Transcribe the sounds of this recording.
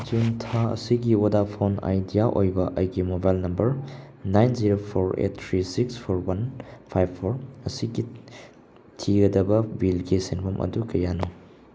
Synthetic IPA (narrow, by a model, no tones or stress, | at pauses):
t͡ʃuŋtʰaɐ̰siɡiodapʰona̰jdijaʔojbɐʔɐ̰jɡimobajlnɐmbɐɾ | najnziɾopʰoɾḛtːʰɾisikspʰoɾwɐnpʰajbʰːoɾɐsiɡi | tʰiɡɐdɐbɐbilɡisenbʰɐmʔɐ̰dukɐjano